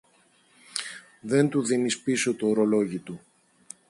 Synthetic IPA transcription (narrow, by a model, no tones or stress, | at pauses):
ðe̞nt̪uðinispiso̞t̪oːɾo̞lo̞ʝit̪u